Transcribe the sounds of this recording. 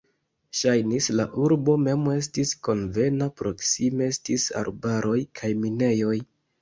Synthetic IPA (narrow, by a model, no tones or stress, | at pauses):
ʃajnislaʔuɾbo̞me̞me̞s̬tisko̞nve̞napɾo̞ksime̞estisa̰ɾbaɾʔo̞jkʰajmine̞jo̞j